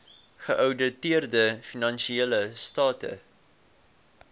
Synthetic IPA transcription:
χəʔœwdətiərdəfinɐnʃieːləstɑːtə̰

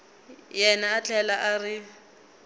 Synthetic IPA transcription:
jɛnaːt͡ɬʰʼɛlaʔarɪ

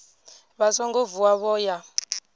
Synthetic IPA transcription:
βazɔŋɡovuaβɔːja

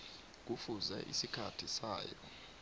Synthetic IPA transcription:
k̬ufuzɛ̰ʔḭsikʰatʰisaːjɔ

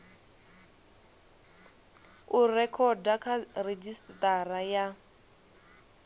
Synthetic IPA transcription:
urɛkʰɔdakʰared͡ʒisttaɾaja

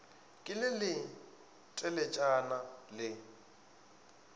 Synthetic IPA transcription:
kʼɪlɪlɪ | tʼɛlɛt͡ʃʼanalɪ

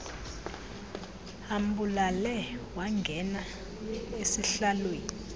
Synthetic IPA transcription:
am̩bulalɛwaŋɡʱɛna | esiɬalweːni

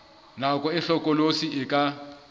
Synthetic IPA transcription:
nakʼɔɪɬɔkʼɔlosiɪkʼa

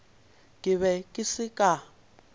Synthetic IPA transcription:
kʼɪβɛkʼisikʼa

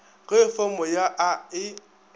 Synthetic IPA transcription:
ɣefɔmɔjaʔaɪ

